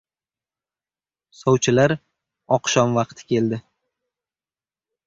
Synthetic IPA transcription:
sɒwt͡ʃʰɪlaɾ | ɒqʃɒmvɑqt̪ʰɪ̥kʲʰe̞ld̪ɪ

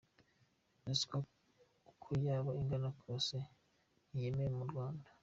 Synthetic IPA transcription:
nasi̥ka | kʰujaːβoiŋɡanakʰose | nijemejemuɾɡwaːnda

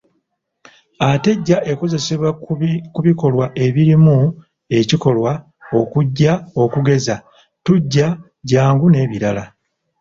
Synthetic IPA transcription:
ate̞ɟːaʔeko̞ze̞se̞βwakuβiko̞lwaʔe̞βiɾimu | e̞ciko̞lwa | o̞kuɟːao̞kuɡe̞za | tuɟːa | ɟaːŋɡune̞ːβiɾala

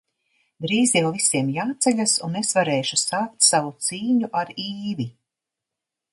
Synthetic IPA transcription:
d̪ɾiːzijawvisiɛmjaːt̪sɛʎʲasunesvaɾɛːʃusaːk̚t̪savut̪siːɲuʔaɾiːvi

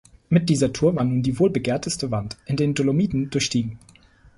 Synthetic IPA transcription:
mɪt̚d̥iːzɐtʰuːɐvaːɐnuːndiːvoːlbəɡeːɐtʰəstəvantʔɪndeːndolomiːdn̩dʊɐçʃtiːɡŋ̩

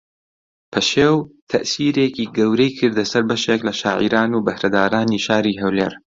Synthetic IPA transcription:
pʰɐʃeːwt̪ʰɐʔsiːɾeːkiːɡɐwɾejkʰɨɾd̪ɐsɐɾbɐʃeklɐʃaːʕḭɾaːnuːbɐhɾɐd̪aːɾaːniːʃaːɾiːɦɐwleːɾ

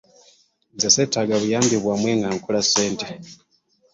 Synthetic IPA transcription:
nzaseːtaɡaβujaːmbiβwamwe̞ːŋɡaŋkulaseːnte

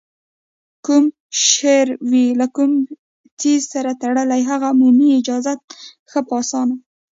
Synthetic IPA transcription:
kum | ʃeɾwilakum | t͡sizsaɾat̪aɽəlajɦaɣamuniɪd͡ʒɑzat̪̚ | xəpɑsɑna

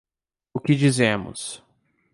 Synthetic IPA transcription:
ʊkɪd͡ʒizẽmʊ̰s

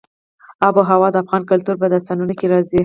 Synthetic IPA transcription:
ɑboɦawɑd̪əafɣɑnkʊlt̪uɾbad̪ast̪ɑnunokeɾɑzi

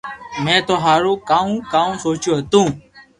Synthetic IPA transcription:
mɛ̃ːt̪oɦaːɾoːkaːũːkaːũːsoːt͡ʃoːɦət̪ũː

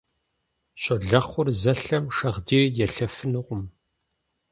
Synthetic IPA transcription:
ɕʼɔɮɐχʷʊrzɐɬɐmʂɐʁdiːrjɛɬɐfɨnɨʁʷʊm

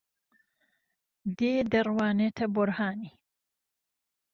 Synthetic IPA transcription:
d̪eːd̪ɐrwaːnet̪ʰɐbʊɾhaːniː

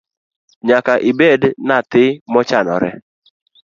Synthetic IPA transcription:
ɲakaʔibednat̪ɪmɔt͡ʃanɔ̰ɾɛ̰

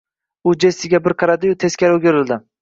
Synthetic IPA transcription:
ʊd͡ʒesɪɡʲabɪɾqʰɑɾad̪ɪjʊt̪ʰeskʲaɾoɡʲoɾɪld̪ɪ

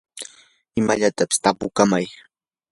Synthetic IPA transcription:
ɪmaʎat̪apɪ̥st̪apʊkamaj

